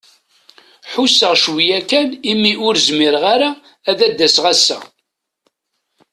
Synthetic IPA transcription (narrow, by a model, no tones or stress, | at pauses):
ħusːəʁʃwijækːænimːiʔʊɾzmiɾʁaɾaː | ðæd̪ːæsʁæsːæ̰